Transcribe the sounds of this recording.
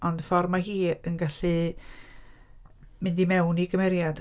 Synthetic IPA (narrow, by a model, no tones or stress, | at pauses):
ʔɔndəfɔrmaɦiːənɡaɬɨ | mɪndimɛwniɡəmɛɾjad̥